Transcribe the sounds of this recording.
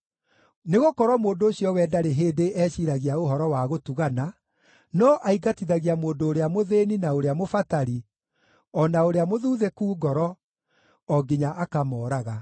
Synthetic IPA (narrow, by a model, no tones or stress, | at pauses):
neɣokɔɾwɔmoːndoːɕiɔwɛːdaɾeɦeːdeʔɛɕiɾaɣiaoɦɔɾɔwaɣotuɣana | nɔʔaiɡatiðaɣiamoːndoːɾeamoðeninaoɾeamofataɾi | ɔnaoɾeamoðuːðɛkuːɡɔɾɔ | ɔɡiɲaʔakamɔːɾaɣa